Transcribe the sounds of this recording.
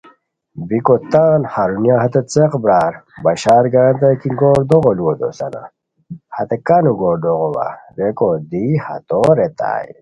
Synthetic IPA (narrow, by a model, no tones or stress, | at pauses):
bikot̪aːnhaɾunjaɦɐt̪et͡seqbɾaːɾbɐɕaːɾɡaːnt̪̬ɐkiŋɡoːɾd̪oɣoluwod̪o̰sɐna̰ | hɐt̪ekanuɡoːɾd̪oɣowa̰ɾekod̪ihɐ̰t̪oɾet̪a̰ːj